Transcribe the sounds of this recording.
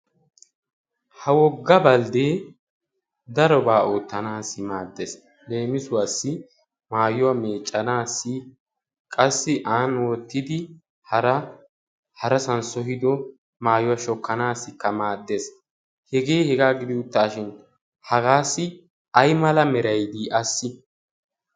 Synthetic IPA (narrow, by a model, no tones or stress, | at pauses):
hɐwɔɡːɐbɐld̪eː | d̪ɐɾɔbaːoːt̪ːɐnaːsɪmaːd̪ːes | le̞ːmɪsʊwasːɪ | maːjʊwameːt͡ʃʼːɐnaːsːɪ | kʼɐsːɪʔaːnwɔt̪ːɪd̪ɪ | hɐɾɐ | hɐɾɐsɐnsɔɦɪd̪ɔ | maːjʊwɐʃɔkːɐnaːsːɪkːɐmaːd̪ːes | hɛɡe̞ːhɛɡaːɡɪd̪ɪʊt̪ːaːʃɪn | hɐɡaːsːɪ | ɐjmɐlɐmɛɾɐjd̪iʔɐsːɪ